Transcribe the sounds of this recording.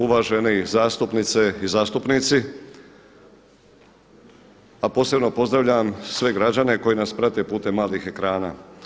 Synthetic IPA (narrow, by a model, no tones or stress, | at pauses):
uʋaːʒe̞nizaːst̪upnit̪se̞izaːst̪upnit̪si | apo̞ːse̞bno̞po̞zd̪ɾaʋʎaamsʋe̞ɡɾad͡ʑane̞ko̞jinaspɾat̪e̞puːt̪e̞mːaːlixe̞kɾaːna̰ː